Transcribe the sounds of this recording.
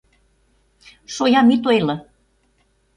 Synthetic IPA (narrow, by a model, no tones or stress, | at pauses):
ʃojɑmit̪oelɤ̆